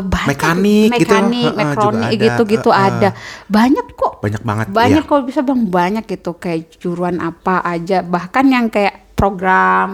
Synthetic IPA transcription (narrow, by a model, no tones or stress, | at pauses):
bamɛkanɪmɛik̪nɪk̚mɛkɾonɪkɡit̪uɡit̪uadabaɲakkɔʔbaɲak̚ba̰ŋət̪baɲakːalbisabaŋbaɲak̚it̪ukajaʔt͡ʃuɾuanʔapaʔad͡ʒabahkanjaŋkajaʔpɾoɡɾam